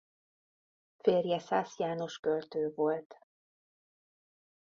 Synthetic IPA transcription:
feːrjɛsaːsjaːno̞ʃkølt̪øːvo̞lt̪

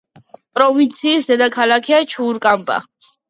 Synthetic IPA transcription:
pʼɾɔvint̪sʰiːsd̪ɛd̪akʰalakʰiat͡ʃʰuːɾkʼampʼa̰

